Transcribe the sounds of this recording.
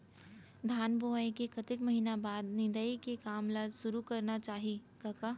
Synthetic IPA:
d̪ʱaːnboʋaikekʰɐt̪ɪkmɐɦinabaːd̪nɪ̃nd̪əikekaːmlaːd̪ʃʊɾukɐɾnat͡ʃaːɦikaka

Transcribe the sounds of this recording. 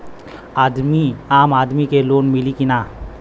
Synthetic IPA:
aːd̪miaːmaːd̪mikeloːnmɪlikɪnaː

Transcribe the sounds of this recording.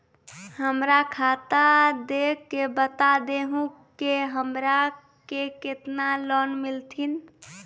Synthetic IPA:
həmɾakʰat̪ad̪ekːebət̪ad̪eɦũkeɦəmɾa | keket̪nalɔnmilt̪ʰin

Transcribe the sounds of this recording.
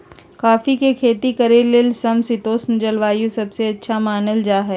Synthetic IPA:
kaːfikekʰeːt̪ikɐɾelɪlsɐmsɪt̪oːsnd͡ʒɐlʋaːjũsɐbseɐtːʃʰamaːnəld͡ʒaːɦɛː

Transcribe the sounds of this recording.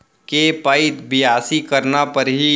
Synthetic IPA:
kepaɪt̪bɪjaːsikɐɾnapɐɾɦi

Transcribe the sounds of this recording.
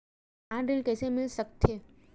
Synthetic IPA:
ãɖelkɛːsemɪlsək̚t̪ʰeː

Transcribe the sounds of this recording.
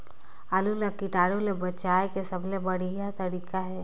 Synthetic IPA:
aːlulakiʈaːɽolebɐt͡ʃaːekesəbʱlebɐɽijat̪ɐɾiːkaɦɛː

